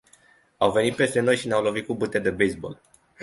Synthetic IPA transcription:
awve̞nit̪̚pe̞st̪e̞no̞jʃineawlovit̪̚kubut̪ed̪ebejsbo̞̰l

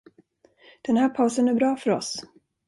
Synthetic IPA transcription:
d̪̥ɛnhæːɾpʰaʊsənæɾbɾɑːfœɾɔ̰s

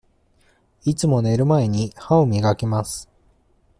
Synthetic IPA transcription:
it͡sɨmo̞ne̞ɾɯ̟mae̞ɲ̟ihaomʲiɡakemasɨ̥

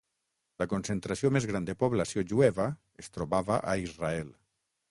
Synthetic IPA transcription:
lakonsent̪ɾasiomezɣɾand̪epoβlasjoʒuɛβa | est̪ɾoβaβaʔaizraɛl

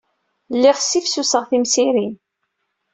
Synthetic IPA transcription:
lːiʁsifsusəʁθimsiɾin

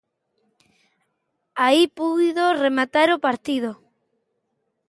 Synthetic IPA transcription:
aipuðoremat̪aɾopaɾt̪ið̞o

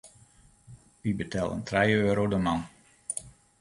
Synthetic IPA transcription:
ʋibətʰɛlˠə̰ntʰrɛjøːɾowdəmɑn

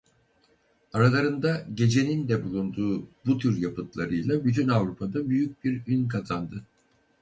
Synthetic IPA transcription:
aɾalˠaɾɯnd̪aɟe̞d͡ʒe̞nind̪ɛbulˠund̪uːbut̪ʰyɾjapɯt̪lˠaɾɯjlˠabyt̪ʰynavɾupʰad̪abyjyc̚biɾynkʰazand̪ɯ

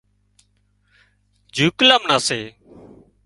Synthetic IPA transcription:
d͡ʒʱuːklaːmnaːseː

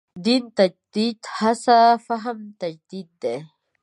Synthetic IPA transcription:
d̪int̪ɐd͡ʒd̪̥id̪hasafaɦamt̪ɐd͡ʒd̪id̪̚ːe

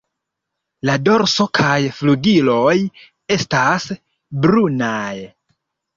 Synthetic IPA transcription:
lado̞ɾso̞kʰajfluɡilo̞j | e̞stas | bɾunaj

